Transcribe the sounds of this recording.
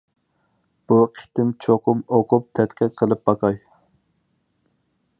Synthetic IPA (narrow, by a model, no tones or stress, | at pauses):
b̥uqʰɪ̥t̪ɪmt͡ʃʰoqʰʊmoqʰʊp̚t̪ʰɛt̪kʲʰɛqʰəlˠɨp̚bɑkʰɑj